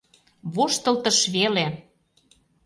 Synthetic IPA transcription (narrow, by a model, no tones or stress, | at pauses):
βoʃt̪ə̆lt̪ə̆ʃβele